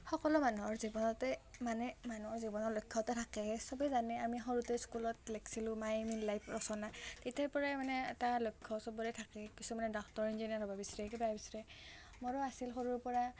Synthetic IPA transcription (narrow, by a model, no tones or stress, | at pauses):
xɔkɔlɔmanuɦɔɹzibɔnɔtɛmanɛmanuɦɔɹzibɔnɔɹlojkʰːɔtɛtʰakɛsɔbɛzanɛamixɔɹutɛskulɔtlekʰsilʊ̃majminlajpʰɹɔsɔnatetɛpɔɹamanɛːtalojkʰːɔsɔbɔlɛtʰakɛkisumanɛdɔktɔɹind͡ʒiniaɾɔbabisɹɛkɛbabisɹɛ | mɔɹɔasilxoɹuɹpɔɹa